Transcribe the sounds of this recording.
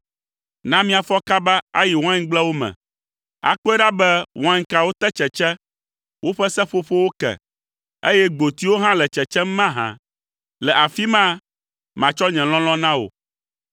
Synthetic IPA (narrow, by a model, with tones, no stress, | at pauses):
nã˦mĩ˦a˨fɔ˦ka˦ba˦a̰˦ji˨wɔ̃˦ã˦ɲ˦ɡ͡blɛ˦wo˦mɛ̰̃˨ | a̰˨k͡pɔ˦ɛ˦ɖa˦bɛ˦wʔɔ̃˦ã˦ɲ̩˦ka˨wo˦t̪ɛ˦t͡ʃɛ˨t͡ʃɛ˦ | wo˦ɸɛ˦sɛ˦ɸo˦ɸo˦wo˦kɛ̰˨ | e˦jɛ˦ɡ͡bo˨t̪i˦wo˦ɦã˦lɛ˨t͡ʃɛ˨t͡ʃɛ˦m˦mã˦ɦã̰˨ | lɛ˨ʔa˨fi˦mã˦ | mã˨t͡ʃɔ˦ɲɛ̃˨l̃ɔ̃˦lɔ̃˦nã˦wo̰˨